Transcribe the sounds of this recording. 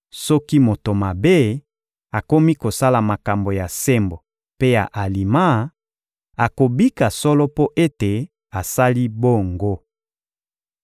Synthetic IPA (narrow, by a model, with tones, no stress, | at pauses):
sɔ˦ki˦mo˨to˨ma˨be˦ | a˨ko˦mi˦ko˨sa˦la˨ma˨ka˨mbo˨ja˨se˦mbo˨ | pe˦ja˨ʔa˨li˨ma˦˨ | a˨ko˨bi˦ka˨sɔ˦lɔ˦po˦ʔe˦te˨ | a˨sa˦li˦bo˦ŋɡo˦